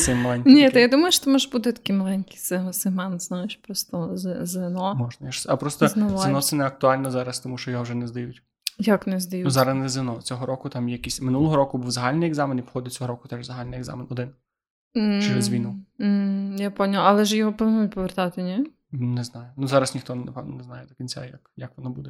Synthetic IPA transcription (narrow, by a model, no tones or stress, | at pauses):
sɛmɐlˠɛnʲnʲɛt̪ɐjad̪umɐjʃt̪ɔmɔʒbud̪ɛt̪ɐ̥kimɐlˠɛnʲki̥sɛɦɔsɪɦmɑnznɑjeʃpɾɔst̪ɔzzɪnɔmɔʒnɐjaʃsɐpɾɔst̪ɔnɐʋzenɔt̪sɛnɛɐk̚t̪ʊɑlʲnɔzɑɾɐst̪ɔmuʃt͡ʃɔjɔɦɔwʒɛnɛzd̪ɐjutʲ | jaknɛzd̪ɐjunuzɑɾɐsnɛzɪnɔt͡sʲɔɦɔɾɔkʊt̪ɑmjɛjɐkʲisʲmɪnulˠɔɦɔɾɔkʊbuwzɐɦalʲnɪjɛɡzɑmenipxɔdʲɐt͡sʲɔɦɔɾɔkʊ̥t̪ɛʒzɐɦalʲnɪjɛɡza̰menɔd̪ɪn̩ | t͡ʃɪnɛzʲʋʲijnu | japɔnʲilˠɐlˠɛʒjɔɦɔpɔʋɪnnut̚ʲpɔʋert̪ɑt̪ɪnʲɛ | nɛznɑjʊnuzɑɾɐsnʲixt̪ɔnɐpɛʋnɔ̰nɛznɑjɛd̪ɔkʲinʲt͡sʲa̰jakjakʋɔnɔbud̪ɛ